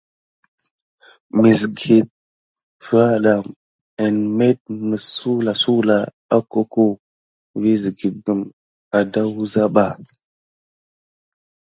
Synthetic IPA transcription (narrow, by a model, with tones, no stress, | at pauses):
mi˨s̬ɡe˨t̚ | fa˦ɗa˨ | ə˨nme˦t̚mə˨ssu˦la˨su˦la˨ | a˦ko˦ko˦ | vi˦zi˨ɡi˨ɡə˨m | a˨da˦wu˦za˦ɓa˨